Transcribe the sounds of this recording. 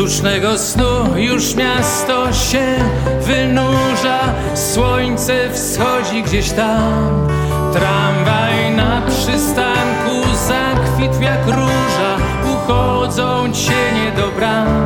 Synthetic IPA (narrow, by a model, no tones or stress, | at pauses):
uʂnɛɡɔsnujuʂmʲjast̪ɔɕɛvɨnuʐa | swɔɲt̪sɛfsxɔd͡ʑiɡd͡ʑeɕt̪am | t̪ɾamvajnapʂɨst̪aŋkuzakfʲit̪fjakɾuʐa | uxɔ | d̪zɔ̃w̃t͡ɕɛɲɛd̪ɔbɾa